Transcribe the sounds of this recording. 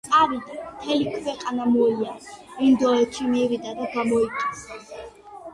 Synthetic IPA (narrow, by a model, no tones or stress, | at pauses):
t̪sʼavid̪amt̪ʰɛlikʰwɛqʼanamɔɛliaind̪ɔɛt̪ʃimivid̪ad̪aɡamɔitʼisa